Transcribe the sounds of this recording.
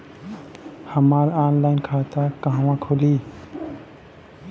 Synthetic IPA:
həmaːɾaːnlaːɪnkʰaːt̪akãɦwãːkʰoliː

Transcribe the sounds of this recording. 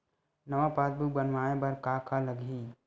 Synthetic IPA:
nɐʋapaːt̪̚buk̚bənʋaːẽbɐɾkaːkaləɡʱi

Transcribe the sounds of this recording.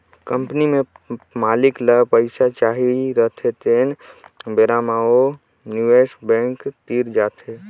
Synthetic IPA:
kə̃mpnimẽmaːlɪkləpəɪsat͡ʃaːɦiɾət̪ʰet̪eːnbeɾaːmaːo | njueːsbɛ̃ːŋkt̪iːɾd͡ʒaːt̪ʰɦe

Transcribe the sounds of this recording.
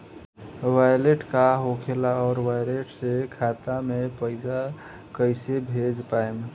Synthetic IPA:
ʋajleʈkaɦokʰelaɔːɾʋajleʈsekʰat̪amepəɪsa | kəɪsebʱed͡ʒpaem

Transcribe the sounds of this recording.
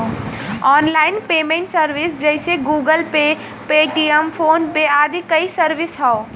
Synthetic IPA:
ɔːnlaːɪnpeːmẽɳʈsəɾʋɪsd͡ʒɛɪseɡuːɡəlpe | peːʈiəmpʰoːnpeaːd̪ikɐisəɾʋɪsɦɛo

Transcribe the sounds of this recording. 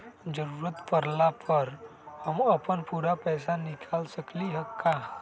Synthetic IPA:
d͡ʒəɾuːɾət̪pəɾlapʰəɾhəməpənpuːɾapɛːsanɪkʰaːlsəkliɦəkːa

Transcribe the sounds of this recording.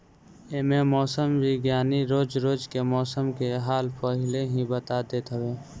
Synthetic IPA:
ememɔːsəmbʱiɡjaːniɾoːd͡ʒɾoːd͡ʒkemɔːsəmkeɦaːlpəɦɪleɦĩbət̪ad̪eːt̪ɦəweː

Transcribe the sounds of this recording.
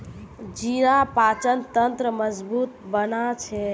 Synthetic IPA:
d͡ʒiɾapat͡ʃənt̪ənt̪ɾəməd͡ʒbut̪bənat͡ʃʰɛ

